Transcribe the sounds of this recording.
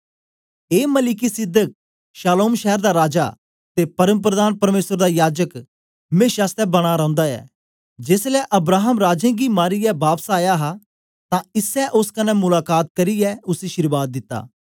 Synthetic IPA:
eːmɐlɪkisɪd̪ək̚ | ʃaːloːmʃɛɦəɾd̪aɾaːd͡ʒa̰ | t̪epɐɾəmp̬ɾəd̪aːnpɐɾmeːsəɾd̪aːjaːd͡ʒək | mẽːʃaːst̪ɛbɐɽ̃aɾɐ̃ːʊ̃nd̪aɛ̰ː | d͡ʒeːslɛʔɐbɾaːɦəmɾaːd͡ʒẽːɡimaːɾijɛbaːpsaːjaɦa | t̪ãɪsɛʔʊskɐnɛmʊlaːkaːt̪̚kɐɾiɛʊsiʃɪɾbaːt̪̚d̪ɪt̪ːa̰ː

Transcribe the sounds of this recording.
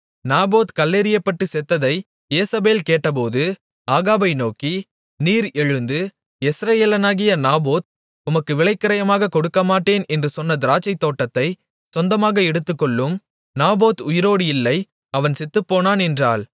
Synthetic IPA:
naːboːt̪kɐlːeːɾɪjɐpːɐʈːɯsɛt̪ːɐðɐɪ | eːsɐbeːlkeːʈːɐp̬oːðɯ | aːɣaːbɐɪnoːki | niːɾɛɻɯnd̪ɯ | ɛsɾɐjeːlɐnaːɣɪjɐnaːboːt̪̚ | ʊmɐkːɯʋɪɭɐɪkːɐɾɐjɐmaːɣɐkɔɽɯkːɐmaːʈːeːnɛndrɯsɔnːɐd̪ɪɾaːt͡ʃːɐɪt̪ːoːʈːɐt̪ːɐɪ | sɔnd̪ɐmaːɣɐɛɽɯt̪ːɯkːɔɭːɯm | naːboːt̪ʊjɪɾoːɽɯjɪlːɐɪ | ɐʋɐnsɛt̪ːɯpːoːnaːnɛndraːl

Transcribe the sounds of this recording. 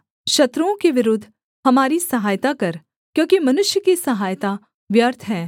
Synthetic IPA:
ʃɐt̪ɾõkeʋɪɾʊd̪ʱː | hɐmaːɾisɐɦaːjt̪akɐɾ | kjõːkimɐnʊʃjəkisɐɦaːjt̪a | ʋjəɾt̪ʰɦɛː

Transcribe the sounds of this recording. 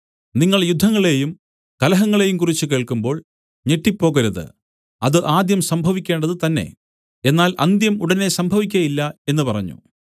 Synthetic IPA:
niŋːɐɭjud̪ʱːɐŋːɐɭe̞jum | kɐlɐɦɐŋːɐɭe̞jumkurit͡ɕːuke̞ːɭkumbo̞ːɭ | ɲe̞ʈːipːo̞ːɣɐɾuðɨ̰ | ɐðɨʔaːd̪jɐmsɐmbʱɐʋikʲːe̞ːɳɖɐðɨt̪ɐnːe̞̰ | e̞nːaːlʔɐ̰nd̪jɐmuɽɐnːe̞sɐmbʱɐʋikʲːɐjilːɐe̞nːupɐrɐ̰ɲːṵ

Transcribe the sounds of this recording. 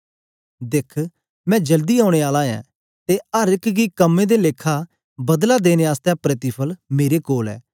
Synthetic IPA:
d̪ɪkʰ | mɛ̃ːd͡ʒəld̪iːaːʊɽ̃eːaːlãːjɛ̰̃ː | t̪eəɾɪkɡiːkəmːẽːd̪eːleːkʰːaː | bəd̪lad̪eːneaːst̪ɛ̃ːpɾɪt̪ɪpʰəlmeːɾeːkoːlɛ̰ː

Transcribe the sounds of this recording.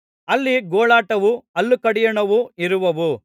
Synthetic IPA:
ɐlːiɡɔːɭaːʈɐʋuɐlːukɐɽijɐɳɐʋuiɾuʋɐʋu

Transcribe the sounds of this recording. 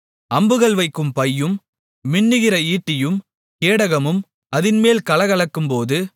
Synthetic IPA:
ʔɐmbɯɣɐɭʋɐɪkːɯmpɐjːɯmː | ɪɳːɯɣɪɾɐiːʈːɪjɯm | keːɽɐɣɐmɯm | ɐðɪnmeːlkɐlɐɣɐɭɐkːɯmpoːðɯ

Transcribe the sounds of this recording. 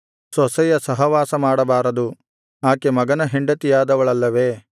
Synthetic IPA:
sɔsɛjɐsɐɦɐʋaːsɐmaːɽɐbaːɾɐd̪u | aːkemɐɡɐnɐɦeɳɖɐt̪ijaːd̪ɐʋɐɭɐlːɐʋeː

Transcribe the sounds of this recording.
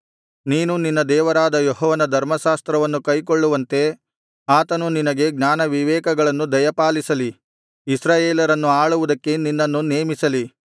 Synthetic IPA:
niːnuninːɐd̪ɛːʋɐɾaːd̪ɐjoɦɔːʋɐnɐd̪ʱɐɾmɐʃaːst̪ɾɐʋɐnːukɐjk̬oɭːuʋɐnt̪e̞ | aːt̪ɐnuninɐɡe̞ɡɲaːnɐʋiʋɛːkɐɡɐɭɐnːud̪ɐjɐpaːlisɐli | isɾaːjeːlɐɾɐnːuaːɭuʋud̪ɐkːe̞ninːɐnːuneːmisɐli

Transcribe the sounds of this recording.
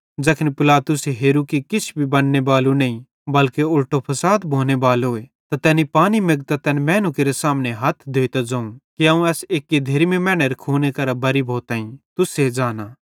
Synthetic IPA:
d͡ʒɐkʰɪnipɪlaːt̪ʊseɦeːɾukikɪt͡ʃʰbʱibɐnːebaːlunɐĩ | bɐlkeʊlʈopʰɐsaːt̪bʱoːnebaːloːet̪at̪ɛːnipaːnimeɡt̪at̪ɛːnmɛːnukeɾesaːmneɦɐt̪ʰd̪ʱoːit̪ad͡ʒãːũkiɐũɛːseːkːed̪ʱeːɾimẽmɛ̃ːɽ̃eɾkʰoːnekɐɾabɐɾibʱoːt̪aːĩt̪ʊsed͡ʒaːnaː

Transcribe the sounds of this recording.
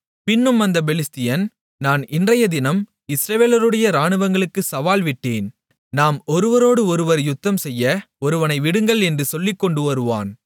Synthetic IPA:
pɪnːɯmɐnd̪ɐbɛlɪst̪ɪjɐn | naːnɪndrɐjɐd̪ɪnɐm | ɪsɾɐʋeːlɐɾɯɽɐjɐɾaːɳɯʋɐŋɡɐɭɯkːɯsɐʋaːlʋɪʈːeːn | naːmɔɾɯʋɐɾoːɽɯɔɾɯʋɐɾjʊt̪ːɐmsɛjːɐ | ɔɾɯʋɐnɐɪʋɪɽɯŋɡɐɭɛndrɯsɔlːɪkːɔɳɖɯɔɾɯʋa̰ːn

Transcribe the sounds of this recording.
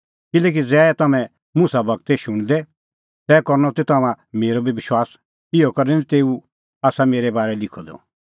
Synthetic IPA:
kɪlɛːk̬id͡zɛːt̪ɐmɛ̃ | mʊsabɐɡ̚t̪eʃʊɽ̃d̪ɛ | t̪ɛːkɔɾnɔt̪et̪ɐmã | meːɾobʱibɪʃwaːs | ɪjɔkɐɾnɛ̃nit̪eːu | aːsameːɾɛbaːɾɛlɪkʰːɔd̪ɔ̰

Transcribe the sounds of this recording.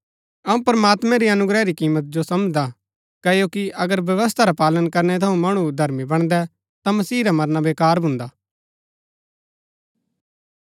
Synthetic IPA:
ɐũpɾəmaːt̪mɛ̃ɾiɐnʊɡɾɛɾikiːmət̪̚d͡ʒosɐmd͡ʒd̪a | kɐjokiʔɐɡəɾʋjɐʋəs̬t̪ʰaɾapaːlənkɐɾnɛt̪ʰɐũmɐɽ̃ud̪ʱɐɾmibɐɽ̃d̪ɛ | t̪ãmɐsiːɾamɐɾnabeːkaːɾbʱʊ̃nd̪aː

